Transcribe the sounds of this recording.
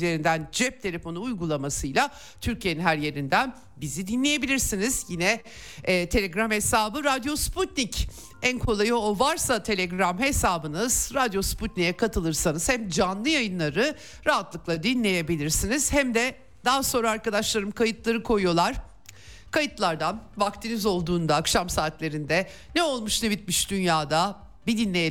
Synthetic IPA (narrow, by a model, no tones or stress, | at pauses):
eɾind̪ænd͡ʒɛp̚t̪ʰe̞lʲe̞fo̞nuujɡulˠamasɯjlˠa | t̪ʰyɾcʰijeninɦæɾje̞ɾind̪æn | bizid̪inlʲeje̞bilʲiɾsinizjinɛː | t̪ʰe̞lʲeɡɾamhe̞saːbɯɾad̪jo̞sput̪nic | ænkʰo̞lˠajɯovaɾsat̪ʰe̞lʲeɡɾamhe̞saːbɯnɯz̥ɾad̪jo̞sput̪̚nijɛkʰat̪ʰɯlˠɯɾsanɯz̥hæmd͡ʒanlˠɯjajɯnlˠaɾɯ | ɾaɦat̪lˠɯklˠad̪inlʲe̞je̞bilʲiɾsiniz̥hæmd̪ɛ | d̪aɦaso̞nɾaːɾkad̪aʃlˠaɾɯmkʰajɯt̪lˠaɾɯkʰo̞jujo̞lˠaɾ̥ | kʰajɯt̪lˠaɾd̪anbakt̪ʰinizo̞lˠd̪uːnd̪aːkʃamsaːt̪lʲe̞ɾind̪ɛ | nɛo̞lˠmuʃnebit̪̚miʃd̪ynjaːd̪a | bid̪inlʲe